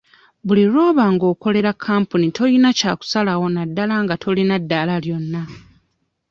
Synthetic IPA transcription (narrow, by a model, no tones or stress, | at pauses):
βuliɾo̞ːβaŋɡo̞ːko̞le̞ɾakʰːaːmpunitʰo̞jinacaːku̥salawo̞nadːalaŋɡatʰo̞linadːalaljo̞nːa